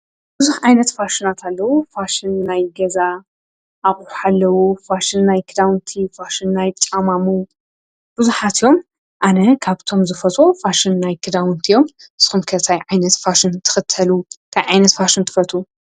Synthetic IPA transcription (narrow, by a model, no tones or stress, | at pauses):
b̥ɨzuħʕajnɐt̪faʃɪnat̪ʰalːɐwufaʃɪnːajɡɐza | ʔaχʼħħalːɐwufaʃɪnːajkʰɨd̪awnt̪ʰifaʃɪnnajt͡ʃ̪ʼamamu | b̥ɨzuħat̪ijo̞m | ʔanɐkʰaβt̪ʰo̞mzɨfɐt͡sʼofaʃɪnːajkʰɨd̪awɨnt̪ʰijo̞mʔɨsxumkʰɐt̪ʰajʕajnɐt̪faʃɪnt̪ʰɨ̥xɨt̪ʰːɐluk̪ʰajʕajnɐt̪faʃɪnt̪ʰɨ̥fɐt̪ʰʼu